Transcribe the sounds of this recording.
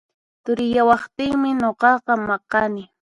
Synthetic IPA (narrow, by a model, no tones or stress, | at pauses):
t̪ʊɾɪjawɑχt̪ɪŋmɪnoqɑqɑmɑqɑnɪ